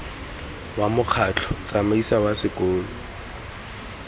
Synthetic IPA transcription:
wamʊq͡χʰat͡ɬʰɔt͡sʼamaisawasɪkʼoːlɔ

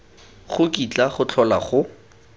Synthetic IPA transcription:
χʊkʼit͡ɬaχʊt͡ɬʰɔla̰χʊ

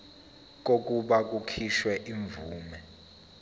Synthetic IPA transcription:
k̬ok̬ʼuɓak̬ukʰiʃwɛʔiɱvuːmɛ

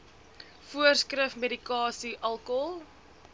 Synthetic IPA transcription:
fuərskrəfmeɾikɑːsiʔɐlˠkɔlˠ

